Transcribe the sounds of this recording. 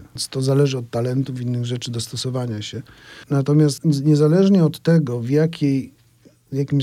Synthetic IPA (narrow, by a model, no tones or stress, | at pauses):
st̪ɔzalɛʐɘɔt̪ːalɛnt̪uvinːɘɣʐɛt͡ʂɘd̪ɔst̪ɔsɔvaɲaɕɛnat̪ɔmʲjast̪ɲɛzalɛʐɲɛɔt̪ːɛɡɔvjakʲʰej | vʲjakʲim